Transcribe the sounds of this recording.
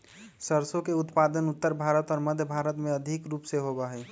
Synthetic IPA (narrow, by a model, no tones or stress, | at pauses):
səɾsokeut̪pad̪ənut̪ːəɾbʱaɾət̪ɔːɾməd̪ʱjəbʱaɾət̪meəd̪ʱikɾupseɦobəɦɛ